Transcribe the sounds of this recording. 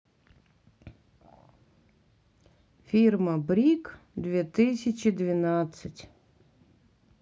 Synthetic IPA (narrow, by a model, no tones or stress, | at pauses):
fʲirmɐbɾʲik | d̪ʋʲet̪ɪsʲɐt͡ʃɪd̪ʋʲɪnat̪sətʲ